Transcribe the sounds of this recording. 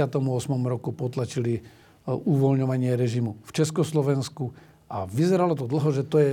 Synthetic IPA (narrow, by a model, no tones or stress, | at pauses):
at̪ɔmuɔsmɔmuɾɔkupɔt̪lat͡ʃili | uʋɔlɲɔʋaɲɪɛɾɛʒimuft͡ʃɛskɔslɔʋɛnsku | aʋizɛɾalɔt̪ɔd̪l̩ɦɔʒɛt̪ɔjɛ